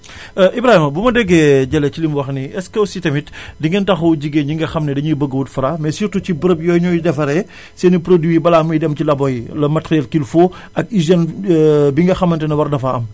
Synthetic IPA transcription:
ʔibɾaːhimɐbumɐdɛɡːɛɟɐlɛcilimwɐxniɛskɐwsitɐmitdiŋɡɐntɐxuwɟiɡeɲiŋɡɐxɐmnɛdɐɲubəɡːəwutfuɾamɛsirtucibəɾəpjɔːjɲɔjdɛfɐɾɛ | senipɾodiibɐlaːmujdɛmcilɐbɔjilɐmɐtxɛlkilfo | ɐkiʒɛnbiŋɡɐxɐmɐntɛnɐwɐrdɐfaɐm

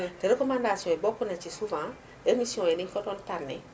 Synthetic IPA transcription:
teɾekɔmãndasiɔ̃ebɔkunɛt͡ʃisuvã | emisiɔ̃enĩkɔtɔntaɾnɪ̰

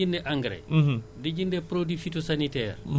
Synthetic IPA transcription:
indɛʔaŋɡɾɛ̰did͡ʒindɛpɾodwifitosanitɛːɾ

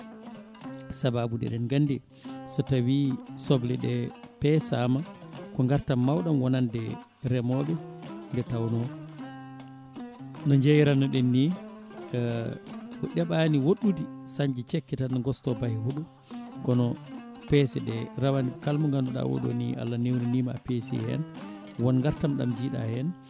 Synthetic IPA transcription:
sababudɛ̰ɗɛnɡandɛ | sɔtawisɔblɛɗɛpɛsamakɔŋɡaɾtamːawɗamwɔnandɛ | ɾɛmɔɓɛndɛtawnɔ | nɔɲd͡ʒejɾanɔɗɛnːi | ɔɗɛɓaniwoɗudisaɲd͡ʒit͡ʃɛkːɛtanɡɔstɔbahihuɗu | kɔnɔ | pɛsɛɗɛɾawanikalmɔŋɡandɔɗa̰wo̰ɗo̰nḭʔa̰lːanewninima̰pesiɛ̰hɛ̰n | wɔnŋɡaɾtamɗa̰md͡ʒiːɗa̰hɛn

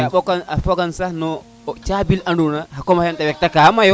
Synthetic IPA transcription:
aɓɔkanafɔkansahnɔ | t͡ʃabilandunahakɔmajantawɛk̚takamajɔ

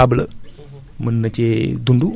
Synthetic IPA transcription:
ablə̰ | mənːɐt͡ɕed̪uɳɖu

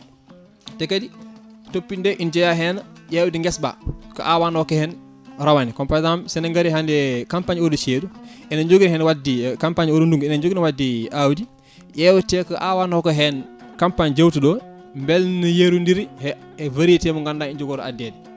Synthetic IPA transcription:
tɛkaditopːindɛʔind͡ʒɔjaɦɛnjɛwudiŋɡɛsba̰kɔ̰ʔawanɔkɛhɛn | ɾawanikɔmpazamsɛnɐŋɡaɾiɦandɛkampaɲɔːdut͡ʃeːɗuɛnaɲd͡ʒoɡinhɛnwadikampaɲɔɾunduŋɡɛnaɲd͡ʒoɡinwadːiʔawdi | jɛwutɛkɔʔawanɔkɔɦɛn | kampaɲd͡ʒawtuɗɔ | mbɛlnujeɾundiɾihɛ | vaɾitɛmuŋɡandaind͡ʒoɡɔɾa̰dːɛdi

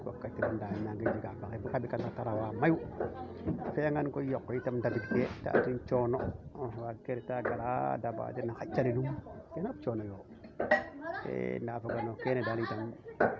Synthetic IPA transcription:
wa̰kːatiɾandalinaŋɡed͡ʒiɡapakebukabikanataɾawamaju | feaŋɡankojokːɔjitamndadiɡfeta̰tint͡ʃonowaɡeɾetaɡaɾa̰daba̰d͡ʒenaxat͡ʃːalilumkenabt͡ʃonojo | tḛndafoɡanokenedalitam

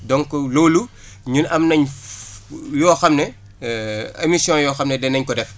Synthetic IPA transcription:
dɔŋkɔloːlu | ɲunɐmnɐɲ | jɔːxɐmnɛ | ḛmisjɔ̃jɔːxɐmnɛdɛnɐɲkɔdɛf

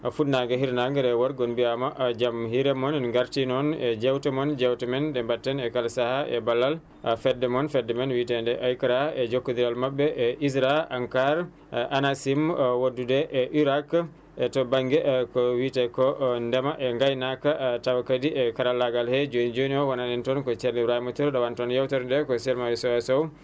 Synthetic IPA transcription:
afutnaɡɛɦiɾnaŋɡɛɾɛwaɾɡonbiamaʔd͡ʒamhiɾɛmɔnɡaɾtinɔnɛd͡ʒɛwtɛmɔnd͡ʒɛwtɛmɛndɛmbatːɛnɛkalsahaʔɛ̰balːal | fɛdːɛmɔnfɛdːɛmɛnwitɛndɛʔajkaɾaɛd͡ʒokːod̪iɾalmabːɛʔɛʔisɾaaŋkaɾ | ʔanasimwodːudɛʔɛʔiɾak | ɛtɔbaŋɡɛkɔwitɛkɔndɛmaʔɛŋɡajnakatawakadiɛkaɾalːaɡalhɛd͡ʒonid͡ʒoniɔwanadɛntɔnkɔt͡ʃɛɾibɾahimatuɾɗawantɔnjawtɛɾndɛkɔsɛlmawisɔwɛsɔw

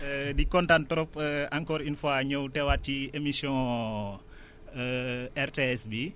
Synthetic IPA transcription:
dikɔntantɔɾɔpːaŋkɔɾinfoaɲəwtɛwatiemisiɔ̃ | ɛrteɛsbi

